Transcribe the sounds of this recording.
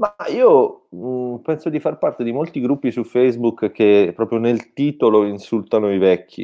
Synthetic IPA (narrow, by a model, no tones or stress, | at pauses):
maiːo | pɛnsod̪ifarpart̪ed̪imolt̪iɡɾupːisufɛjzbukkːepɾɔːpɾjonelt̪iːt̪oloinsult̪anoivɛkʰːḭ